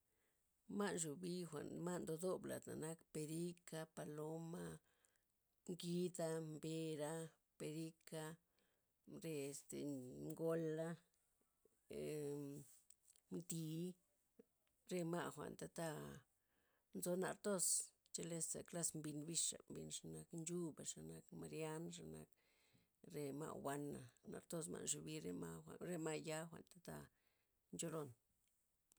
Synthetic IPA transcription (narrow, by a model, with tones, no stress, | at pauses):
ma˦nʃu˨bi˦xʷa̰˨nma˦nd̪o˧d̪o˦bla̰˨t̪na̰˨na˦kpe˧ɾi˦ka˧pa˧lo˦ma˦ | ŋɡi˦d̪a˧mbe˧ɾa˧ | pe˧ɾi˦ka˧ | ɾe˧˨st̪ḛ˨ŋɡo˧la˦ | md̪i˧˨˦ | ɾe˧ma˧xʷa̰˨nt̪a˧t̪a˦˧ | nzo˧˦na̰˧˨ɾt̪o˦st͡ʃe˧le˧sa̰˨kla˦smbi˧nbi˧ʂa̰˨mbi˧nʂa˨na˧knd͡ʒu˦ba˨ʂa˨na˧kma˨˧ɾja˦nʂ̬a˨na̰˧k̚ | ɾe˧ma̰˧wa˧na˨na̰˧ɾt̪o˦˧s̬ma̰˧nʂu˧bi˧˦ɾe˧ma˧ɾe˦ma˧ʔja˦xʷa̰˨ʔnt̪ḁ˧t̪a˦˧ | nd͡ʒo˧lo˧n